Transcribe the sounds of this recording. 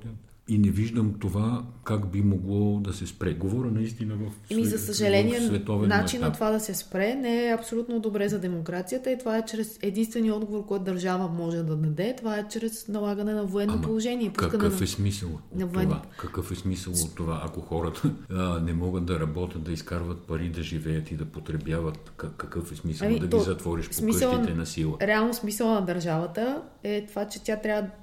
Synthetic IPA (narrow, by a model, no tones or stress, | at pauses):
inɛviʒd̪əmt̪ovakakbimoɡlˠɔd̪ɐsɛspɾɛɡovɔɾənɐist̪inəvɐfmizɐsɐʒɐlɛniɛvɛt̪ɔvɛnat͡ʃinɐt̪ovad̪ɐsɛspɾɛnɛɛɐpsolʲut̪nod̪obɾɛzɐd̪ɛmokɾat̪sijət̪əit̪ovaɛt͡ʃɾɛsɛd̪inst̪vɛniɔd̪ɡovoɾkɔjt̪ʊd̪ɐɾʒavəmɔʒɛd̪ɐd̪ɐd̪ɛt̪ovaɛt͡ʃɾɛsnɐlˠaɡɐnɛnɐvoɛnːopolˠoʒɛniɛpuskɐnnfɛsmisəlˠnɐvoɛnvakɐkɤfɛsmisəlˠot̪ːovaʔɐkoxɔɾət̪ənɛmɔɡət̪̚d̪ɐɾɐbɔt̪ʲɐt̪̚d̪ɐiskaɾvɐt̪̚pɐɾid̪ɐʒivɛjət̪id̪ɐpot̪ɾɛbjavɐt̪kɐkɐkɤfɛsmisɐmid̪ɐɡt̪izɐt̪vɔɾiʃp̪omisəlˠnɛnɐsilˠəɾɛalˠnosmisəlˠnɐd̪ɐɾʒavət̪ə | ɛt̪ovat͡ʃɛt̪ʲjat̪ɾʲavəd̪